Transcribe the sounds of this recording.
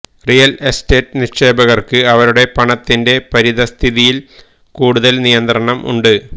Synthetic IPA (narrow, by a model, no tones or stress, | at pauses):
rijɐleste̞ːtːɨniʂʂe̞ːbɐɣɐrkɨɐʋɐɾuɽe̞pɐɳɐt̪ːinde̞pɐɾiðɐst̪ʰiðijil | kuːɽuðɐlnijɐnt̪rɐɳɐmʔṵɳɖɨ